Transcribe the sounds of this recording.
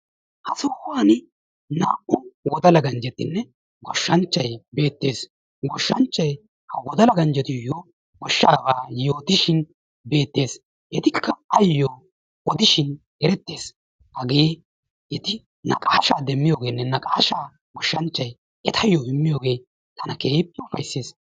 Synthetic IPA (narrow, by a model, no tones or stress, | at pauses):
hɐsɔhʊaːnɪ | na̰ːʔʊwɔd̪ɐlɐɡɐnd͡ʒɛt̪ːɪnːɛ | ɡɔʃːɐnt͡ʃːɐjbe̞ːt̪ːe̞ːs | ɡɔʃːɐnt͡ʃːɐj | hɐwɔd̪ɐlɐɡɐnd͡ʒɛt̪ɪjoː | ɡɔʃːaːbaːjo̞ːt̪ɪʃɪn | be̞ːt̪ːe̞ːs | hɛt̪ɪkːɐɐjːoː | ɔd̪ɪʃɪn | ɛɾɛt̪ːe̞ːs | hɐɡe̞ː | ɛt̪ɪ | nɐ̰kʼaːʃaːd̪ɛmːɪjoːɡe̞ːnːɛnɐkʼaːʃaː | ɡɔʃːɐnt͡ʃːɐj | ɛt̪ʰɐjoːhɪmːɪjo̞ːɡe̞ː | t̪ɐnɐkeːpʼːɪʊfɐjsːeːs